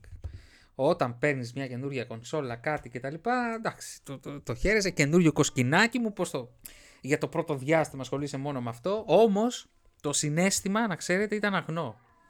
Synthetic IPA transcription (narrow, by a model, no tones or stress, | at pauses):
o̞t̪ɐmpe̞ɾnizmɲɐce̞nuɾʝɐko̞nso̞lɐkɐt̪ice̞t̪ɐlipɐd̪ɐksi̥t̪ot̪o̞çe̞ɾe̞se̞ce̞nuɾʝo̞ko̞scinɐcimupo̞st̪o̞ | ʝɐt̪o̞pɾo̞t̪o̞ðʝɐst̪imɐsxo̞lise̞mo̞no̞meɐft̪o̞o̞mo̞s | t̪o̞sine̞st̪imɐnɐkse̞ɾe̞t̪e̞it̪ɐnɐɣno̞